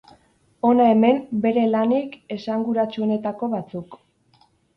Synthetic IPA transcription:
o̞nae̞me̞mbe̞ɾe̞lanike̞saŋɡuɾat͡ʃuo̞ne̞t̪ako̞βat͡suk

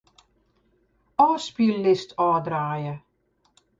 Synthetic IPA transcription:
ɔːspilːɪstʰɔːdraːjə

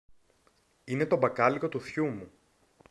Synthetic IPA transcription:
ine̞t̪o̞bɐkɐliko̞t̪uθçumu

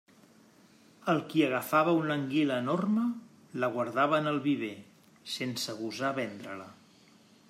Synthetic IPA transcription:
əlˠkiəɣ̞əfaβəunəŋɡiləːnormə | ləɣ̞wəɾðaβəːnəlˠβiβ̞e | sensəɣuzaβɛnd̪ɾələ

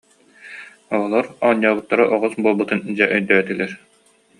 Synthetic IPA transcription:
ɔɔlˠɔɾaːɲːaːbɯt̪ːaɾɯʔɔʁɔsbuɔlˠbut̪ɯnd͡ʑɛʔœjd̪œːɛt̪ilɛɾ

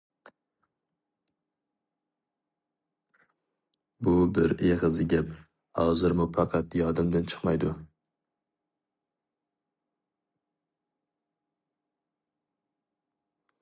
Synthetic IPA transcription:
bʊbɪɾeʁɨzɪɡʲap | hɒzɪɾmʊfɑqʰɑt̪jɒd̪ɪmd̪ant͡ʃʰɨ̥qmajd̪ʊ

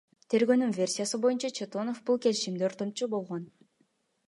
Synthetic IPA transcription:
t̪ʰe̞ɾɡøːnynvʲe̞rʲsʲijasɯbo̞junt͡ʃɑt͡ʃʰet̪o̞no̞fbulˠke̞liʃimd̪eo̞ɾt̪o̞mt͡ʃubo̞lˠʁo̞n

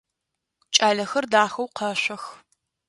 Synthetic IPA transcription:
t͡ʃʼaːɮɐxɐrdaːxɐwqɐɕʷɐx

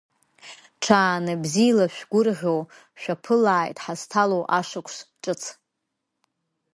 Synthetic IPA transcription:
ʈ͡ʂʰaːnɨbzijlaʃᶣɡʷʊrʁʲow | ʃᶣapʰɨlaːjtʼħaztʰalowʔaʂɨkʷʰʂʈ͡ʂʼɨt͡sʰ

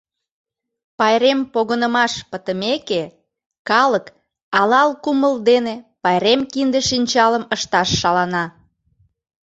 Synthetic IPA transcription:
pɑjɾempoɣənəmɑʃpət̪əmeke | kɑlək | ɑlɑlkuməld̪enepɑjɾemkind̪eʃinʲt͡ɕɑləməʃt̪ɑʃːɑlɑnɑ

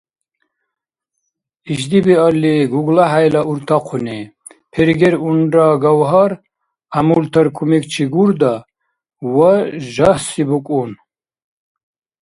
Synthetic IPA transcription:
iʒd̪ibialiɡuɡlaħajlaʔuɾt̪ʰaqʰuni | pʰɛɾɡɛɾunraɡawɦaɾ | amult̪ʰaɾkʰumikʰt͡ʃʰiɡuɾd̪a | waʒahsibukʼun

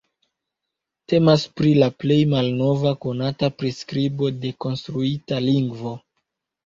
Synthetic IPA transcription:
te̞maspɾilaple̞jmalno̞vako̞natapɾiskɾibo̞de̞ko̞nstɾuitaliŋɡvo̞

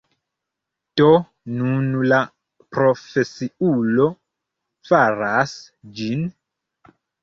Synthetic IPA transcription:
to | nunla | pɾofesiulo | faɾas | d͡ʒin

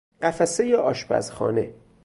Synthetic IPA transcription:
ɢæfæsejeʔɒːʃpæ̰zxɒ̰ːnḛ

